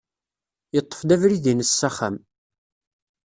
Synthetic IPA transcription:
jət̪ˤːə̥fd̪ævɾiðinəsːæχæ̰m

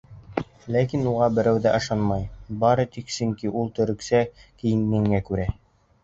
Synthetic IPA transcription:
lækinuʁɑbɘ̆ɾæwðæʔɤ̆ʃɑnmɑjbɑɾɤt̪iksɵ̆ŋkiʔulˠt̪ɵ̆ɾɵ̆ksækɘ̆jɘ̆nːɘ̆ŋːækʉɾæ

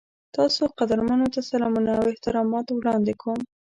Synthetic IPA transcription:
t̪ɑsoqad̪aɾmənot̪asalɑmunaːwɪht̪ɪɾɑmɑt̪wɽɑnd̪ekom

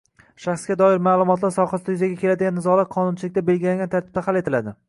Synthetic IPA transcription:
ʃaχsɡʲad̪ɒɪɾmaːlˠʊmɒt̪laɾsɒwχasɪjʏzaɡʲakʲʰe̞lad̪ɪɡʲanːɪzɒlˠaɾ̚qʰɒnʊnt͡ʃʰɪlɪk̚ʲt̪abe̞lɡʲɪlaŋʲɡʲant̪ʰaɾt̪ʰɪb̚t̪ʰahalet̪ʰɪlad̪ɪ

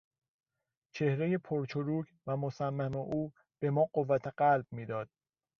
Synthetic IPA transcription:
t͡ʃʰe̞hɾeje̞pʰoɾt͡ʃʰoɾuːcʰvæmosæmːæmeʔuː | b̥e̞mɒːɢovːæt̪ʰeɢælb̥̚miːd̪ɒːd̪̥̚

